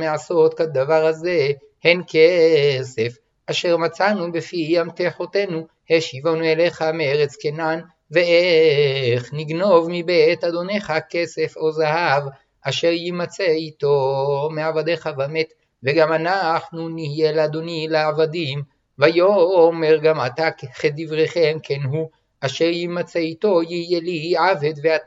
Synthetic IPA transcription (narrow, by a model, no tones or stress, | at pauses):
measo̞t̪kad̪avaʁhaze | he̞nkese̞f | aʃe̞ʁmat͡sanubefijamt̪eħote̞nu | heʃivonuele̞χameeʁet͡skenan | vee | χniɡno̞vmibet̪ad̪o̞ne̞χake̞se̞fo̞zahav | ʔaʃe̞ʁjimat͡seit̪o̞meavad̪e̞χavamet̪ | ve̞ɡamanaχnunihijelead̪o̞nileavad̪im | vajomeʁɡamat̪akχed̪ivʁeχemkʰenɦu | aʃe̞ʁjimat͡seito̞jiijeliʕavet̪vea